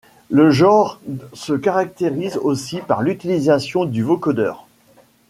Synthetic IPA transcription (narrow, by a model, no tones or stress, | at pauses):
ləʒɑ̃ʁsəkaʁak̚t̪eʁizosipa̰ʁlyt̪ilizasjɔ̃d̪yvokod̪œ̰ːʁ